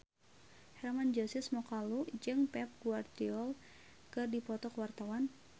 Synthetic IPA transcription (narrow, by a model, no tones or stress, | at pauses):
hɛrmand͡ʒɔsɪsmɔkalud͡ʒɨŋpɛp̚ɡuart̪iɔl | kɨrdipɔt̪ɔkwart̪awan